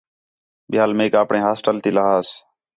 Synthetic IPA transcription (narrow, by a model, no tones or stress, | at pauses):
ɓɪaːlmeːkaːpɳẽːɦaːsʈəlt̪iːləɦaːs